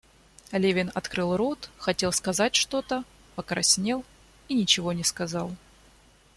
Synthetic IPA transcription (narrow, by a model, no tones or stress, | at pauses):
lʲevʲɪnɐt̪kɾɨlˠɾot̪xɐtʲe̞lˠskɐzat̚ʲʂt̪o̞t̪ə | pəkɾɐsʲnʲe̞lˠ | inʲɪt͡ɕɪvo̞nʲɪskɐzɑlˠ